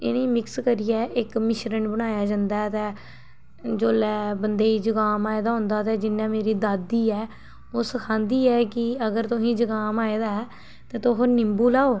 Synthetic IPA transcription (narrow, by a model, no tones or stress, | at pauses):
ɪ̰nẽːmɪkskəɾijɛːʔɪkmɪʃɾənbəɽ̃aːjaːd͡ʒãːnd̪aːɛt̪ɛ̃ː | d͡ʒoːlɛːbənd̪eːiːd͡ʒəɡaːmaːeːd̪aːɦʊ̃ːnd̪aːt̪ɛːd͡ʒɪnːãːmeːɾiːd̪aːd̪iːɛː | oːsəkʰãːnd̪iːɛːkɪəɡəɾt̪ʊɦĩːd͡ʒəɡaːmaːeːd̪aːɛː | t̪ẽːt̪oɦoːnɪmbuːlaːoː